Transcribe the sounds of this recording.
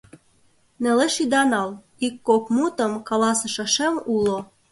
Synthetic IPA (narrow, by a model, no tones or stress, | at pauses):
nĕleʃid̪ɑnɑl | ikːokmut̪ə̆mkɑlɑsĕʃɑʃemulo